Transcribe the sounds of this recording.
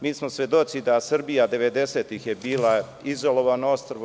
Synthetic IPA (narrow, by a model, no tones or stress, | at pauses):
miːsmosʋe̞d̪ot͡ʃ̪id̪asr̩bijad̪e̞ʋe̞d̪e̞se̞ːt̪ixjebiːla | izo̞lo̞ʋanoost̪r̩